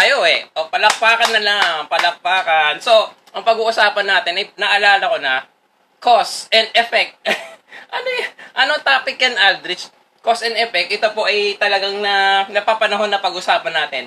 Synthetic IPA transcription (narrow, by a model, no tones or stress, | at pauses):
ʔɐjoʔɛʔopɐlɐk̚paːkɐnːɐlaŋpɐlɐk̚paːkɐnso̞ | ʔɐŋpɐɡuːʔʊsaːpɐnːaːt̪ɪnʔɐjnɐʔɐlaːlɐko̞nɐ | kosɛnd̪ɛfɛk̚t̪̚ʔɐnojʔɐnot̪aːpɪkːɐnʔald̪ɾɪt͡ʃ | kosɛnd̪ɛfɛk̚t̪ʔɛt̪opo̞ʔɐjt̪ɐlɐɡaŋnɐnɐpapɐnɐɦo̞nːɐpɐɡʔʊsaːpɐnːaːt̪ɪn